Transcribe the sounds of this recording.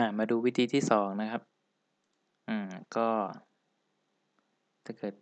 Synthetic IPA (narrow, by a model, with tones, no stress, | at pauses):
ʔa˧˩maː˧duː˧wi˦˥t̪ʰiː˧t̪ʰiː˥˩sɔː˩˦ŋna˦˥kʰa˦˥p̚ | ʔɯː˨˩kɔː˥˩ | t̪ʰaː˥˩kɤː˨˩t̪̚